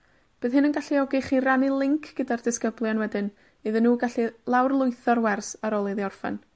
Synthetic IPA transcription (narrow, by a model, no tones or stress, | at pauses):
b̥ɨːðhɨnənɡaɬiɔɡɪχiranilˠɪŋkʰɡ̥ədardɪskəblˠjanwɛdɨn | ɨðənːuːɡaɬilˠawrlˠʊɨθɔrwɛrsaɾɔlˠɨðiɔrfɛ̰n